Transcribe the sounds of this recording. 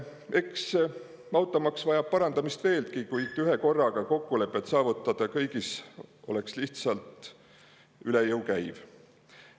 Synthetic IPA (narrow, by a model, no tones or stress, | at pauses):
ʔe̞ks | mɑwt̪ˑːɑmɑksvɑjɑb̥̚pɑɾɑnd̪̥ɑmist̪ve̞ːlt̪̚kikujt̪yɦe̞ko̞rːɑɡ̥ɑko̞kːule̞pːˑe̞t̪sɑːvut̪ːˑɑd̪̥ɑkɤjɡiso̞̰le̞ksliht̪sɑlt̪ˑ | ylejɤwkæjv